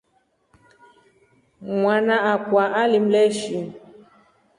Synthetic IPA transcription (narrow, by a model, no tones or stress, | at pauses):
ŋwanaakwaʔalim̩lɛʃi